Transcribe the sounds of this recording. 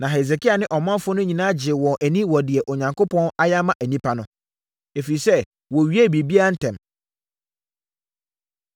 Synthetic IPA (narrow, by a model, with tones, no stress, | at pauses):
nã˨ɦe˨z̬e˨kʰi˦a˨nɪ̃˦ʔɔ˨mã˦mfʊ˦nʊ̃˦ɲĩ˨nã˦d͡ʑɪ˨wɔ̃˨ʔæ˨nĩ˦wɔ˨dɪ˨ɛ˨ʔo˨ɲã˨ŋko˦pʰɔ̃˦na˦ja˦mã˦ʔæ˨nĩ˦pʰa˦nʊ̃˦ | e˨fi˨i˨sɛ˦ | wɔ˨ɥi˦æ˦˨bi˨bi˦a˦n̩˦tʰɛ̃˨m